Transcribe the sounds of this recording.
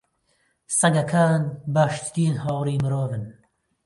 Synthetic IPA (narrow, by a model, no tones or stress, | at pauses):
sɐɡɐkʰaːnbaːʃt̪d̪iːnhaːwɾiːmɨɾoːvɨn